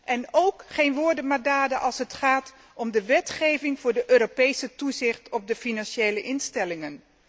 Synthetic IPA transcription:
ʔɛnowkχejnʋʊːɹdənmaːɹdaːdəʔɑlˠsɦətχaːt | ɔmdəʋɛtχejvɪŋvʊːɹdəʔøːɾopejsətuzɪχtɔb̚dəfinɑnʃejləʔɪnstɛlɪŋən

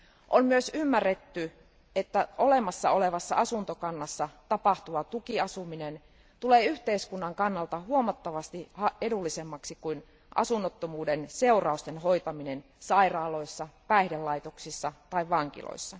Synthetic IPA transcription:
ʔonmyøsymːærːet̪ːy | et̪ːæʔole̞mɑsːɑole̞ʋɑsːɑ̰ɑsunt̪okɑnːɑsːɑt̪ɑpɑht̪uʋɑt̪ukiɑsuminen | t̪uleːyht̪eiskunːɑŋkɑnːɑlt̪ɑɦuomɑt̪ːɑʋɑst̪ihɑe̞dulːisemːɑksikuin | ʔɑ̰sunːot̪ːomuːdense̞urɑust̪enɦojt̪ɑminen | sɑirɑːlo̞isːɑpæihdelːɑit̪oksisːɑt̪ɑiʋʋɑŋk̟ḭlo̰isːɑ

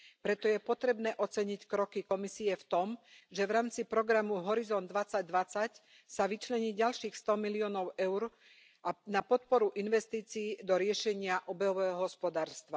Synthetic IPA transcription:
pɾɛt̪ɔjɛpɔt̪ɾɛbnɛːʔɔt͡sɛɲickɾɔkikɔmisiɛft̪ɔmʒɛʋɾaːmt͡sipɾɔɡɾamuɦɔɾizɔnd̪ʋat͡saɟ̚d̪ʋat͡sac | saʋit͡ʃlɛɲiːɟalʃiːxst̪ɔmiliɔːnɔʊɛʊɾ | anapɔt̪̚pɔɾuʔinʋɛst̪iːt͡siːd̪ɔɾɪɛʃɛɲɪaʔɔbɛɔʋɛːɦɔɦɔspɔd̪aːɾst̪ʋa

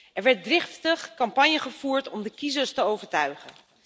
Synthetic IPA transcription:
ʔɛɹʋɛɹt̚drɪftəχkɑmpɑɲjəχəv̥uːɹtɔmdəkizəɹstəowvəɹtœɥχən

